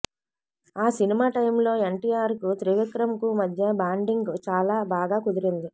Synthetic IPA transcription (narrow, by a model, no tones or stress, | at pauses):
aːsinimaːʈɐjmlo̞ːe̞ɳʈiːjaːɾkut̪ɾiʋikɾɐmkumɐd̪ʱjɐbaːɳɖiŋɡt͡ʃaːlaːbaːɡaːkud̪iɾind̪i